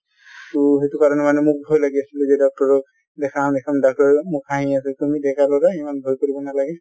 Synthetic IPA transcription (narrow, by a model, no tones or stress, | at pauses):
uɦetukaɹɔnɛmanɛmʊk̚bʱɔjlaɡiasiluzɛdɔk̚tɔɹɔk | dɛkʰãdɛkʰamdak̚tɔɹɛmʊkaɦĩasɛltumidɛkʰalɔɹaimanbʱojkoɹibɔnalaɡɛ